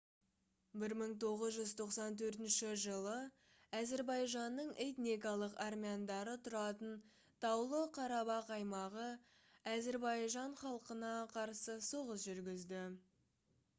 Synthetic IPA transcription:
bɪɾməɴt̪ʰo̞ʁəzʒʏzt̪ʰo̞qsɑnt̪̬ʰɵɾt̪ɪnʃɪʒəlˠə | æze̞ɾbɑjʒɑnːəɴe̞t̪nikalˠəqarmʲijand̪ɑɾət̪ʰʊɾɑt̪ən | t̪ʰɑwlˠəqʰɑɾɑbɑqɑjmɑʁə | æzeɾbɑjʒɑɴχɑlˠqənɑqʰɑɾsəso̞ʁəs̬ʒʏɾɡʲɪzd̪ɪ

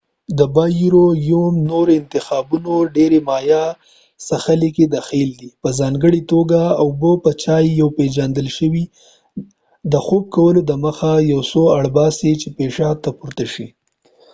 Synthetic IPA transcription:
d̪əbɑjuɾojumnoɾoɪnt̪ɪxɑbunoɖeɾemɑjɑ | saxaliked̪axild̪ipəzɑŋɡəɽit̪oɡaaʊbəpət͡ʃɑjːawped͡ʒand̪əlʃəwi | d̪əxob̚kawəlod̪əməxajawsoaɽbɑset͡ʃepeʃɑt̪ːapuɾt̪aʃi

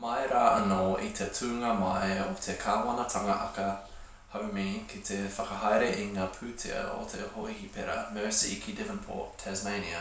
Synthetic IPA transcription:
mɐjɾaːʔɐnoit̪ʰetʰʉːŋɐmɐjot̪ʰekʰaːwɐnɐt̪ʰɐŋɐʔɐkə | hɐwmikʰit̪ʰefɐkɐɦɐjɾeʔiŋaːpʰʉt̪ʰḛə̰o̰t̪ʰḛhoʔihipʰɛɾɐ̰mɜːsikʰidɪvənpʰo̰ːtʰɛzmejniɐ

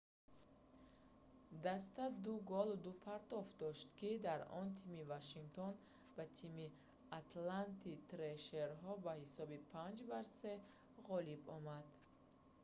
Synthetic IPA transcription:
d̪ast̪ad̪uɡɔlud̪upʰaɾt̪ɔfd̪ɔʃt̪kid̪aɾɔ̰nt̪ʰimivaʃiŋɡt̪ʰɔn | b̥at̪ʰimi | at̪lant̪it̪ɾeʃeɾɦɔbahisɔbipʰand͡ʒbaɾse̞ | ʁɔlibɔmad̪

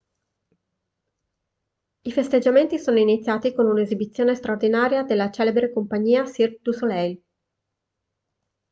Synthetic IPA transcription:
ifest̪ed͡ʒament̪isoːnoinit̪sːjaːt̪ikonunezibit̪sːjoːnest̪ɾaord̪inaːɾjad̪elːat͡ʃɛːlebɾekompaɲːiːasird̪usolɛjl

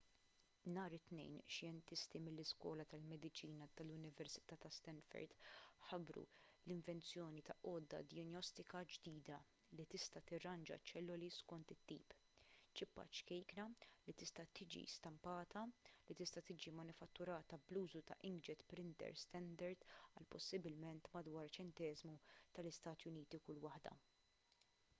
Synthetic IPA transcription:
mnɐːɾɪt̪nɛ̰jnʃjɛnt̪ɪst̪imɪlːɪskwɔ̰ːlɐt̪ɐlmɛd̪ɪt͡ʃiːnɐt̪ɐlʊnɪvɛɾsɪ̥t̪ɐːt̪ɐst̪ɛnfɛ̰ɾd̪ħɐbɾṵlɪɱvɛnt͡sjɔːnit̪ɐʔɔːd̪ːɐ̰d̪ɪjɔnjɔst̪ɪkɐd͡ʒd̪iːd̪ɐ | lit̪ɪst̪ɐt̪ɪrːɐnd͡ʒɐ̰t͡ʃɛlːʊliskɔnt̪ɪt̪ːḭːp | t͡ʃɪpːɐ̰t͡ʃkɛjknɐlit̪ɪst̪ɐt̪iːd͡ʒḭst̪ɐmpɐːt̪ɐlit̪ɪst̪ɐt̪iːd͡ʒimɐnʊfɐt̪ːʊɾɐːt̪ɐbluːzut̪ɐʔɪŋɡd͡ʒɛt̪pɾɪnt̪ɛ̰ɾst̪ɛnd̪ɐɾd̪ɐ̰lpɔsːɪbɪlmɛnt̪mɐd̪wɐːɾt͡ʃɛnt̪ɛːzmut̪ɐlɪst̪ɐːt̪jʊniːt̪ikʊlwɐħd̪ɐ̰

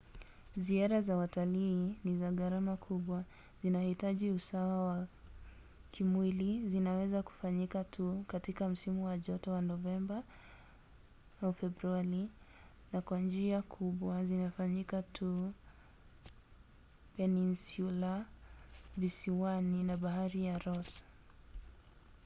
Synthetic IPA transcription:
ziaɾazawataliːnizaɣaɾamakʰuɓwa | zinahitaʄiusawawa | kʰimwilizinawɛzaku̥faɲikatʰukatikam̩simuwaʄɔtɔwanɔvɛmba | fɛbɾuali | nakwand͡ʒiakʰuɓwazinafaɲikatʰu | pɛninsula | visiwaninaɓaɦaɾijaɾɔs

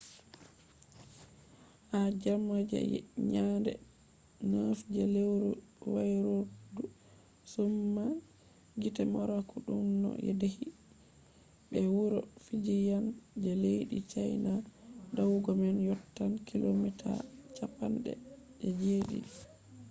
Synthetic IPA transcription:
had͡ʒamad͡ʒɛ̰ɲandɛ̰ | nafd͡ʒɛlewɾɔwajɾoɾdu | sumːa | ɡitɛmɔɾakuɗumnɔ̰ʔɛ̰dehi | ɓɛwuɾɔfid͡ʒijand͡ʒɛlejɗit͡ʃajnadawɡɔmɛnjɔtːankilomitʰa̰t͡ʃapanɗɛ̰ | ʔɛd͡ʒeɗḭ

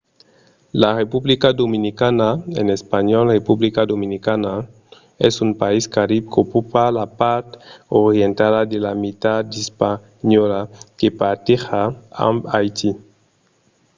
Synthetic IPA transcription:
larepublikad̪ominikanaenespaɲɔlrepublikad̪ominikana | ɛsumpaiskaɾib̚kopupalapaɾt̪oɾjent̪aðad̪elamit̪ad̪ispa | ɲɔlakepaɾt̪eχaa̰mbajt̪ʰi

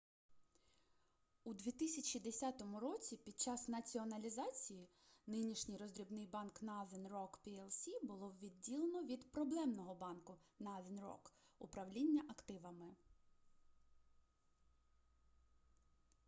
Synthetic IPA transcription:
ud̪ʋʲit̪ɪsʲɐt͡ʃʲid̪esʲɑt̪ɔmʊɾɔt͡sʲipʲid̪̚t͡ʃɑsnɐt͡sʲiɔnɐlʲizɑt͡sʲijinɪnʲiʃnʲɪjɾɔzd̪ɾʲibnɪjbɑnknɑd̪enrɔkpʲiɛlˠsʲibʊlˠɔʋʲid̪ʲdːʲilˠenɔʋʲid̪pɾɔblˠɛmnɔɦɔbɑnkʊnɑd̪enrɔ̰kʊpɾɐwlʲinʲːɐʔɐkt̪ɪʋɐmɪ

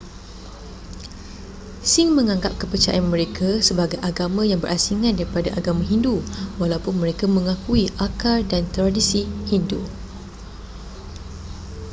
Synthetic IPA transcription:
siŋmə̃ŋãŋɡap̚kəpət͡ʃa̰ʔanmə̃ɾekʰasəbaɡajʔaɡamãjaŋbərʔasiŋãndaɾipadaʔaɡamãɦinduwalawpʊnmə̃ɾekamə̃ŋãkuiʔakardant̪ɾadisihindu

